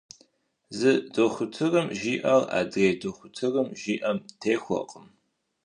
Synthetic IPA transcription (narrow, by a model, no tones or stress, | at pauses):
zɨdoxʷʊtʰɨrɨmʒiːʔɐra̰ːdreːdoxʷʊtʰɨrɨmʒiːʔɐmtʰeːxʷɔ̰qʼəm